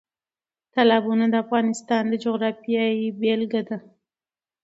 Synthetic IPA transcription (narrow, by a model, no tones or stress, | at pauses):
t̪alɑbunad̪əafɣɑnɪst̪ɑnd̪əd͡ʒoɣɾɑfijɑibelɡad̪a